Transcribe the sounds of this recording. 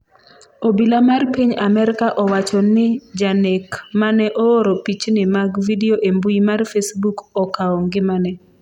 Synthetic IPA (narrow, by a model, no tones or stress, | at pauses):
obilamarpiɲamɛɾɪkaʔɔwat͡ʃɔnɪd͡ʒanekmanɛʔɔoɾɔpit͡ʃnɪmaɡvidioʔembuimarfesbukɔkaɔŋɡɪmanɛ